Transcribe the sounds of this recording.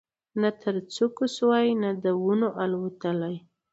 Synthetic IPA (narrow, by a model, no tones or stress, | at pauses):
nat̪ʰəɾt͡sokʊswajnad̪əwunoʔalwat̪əlaj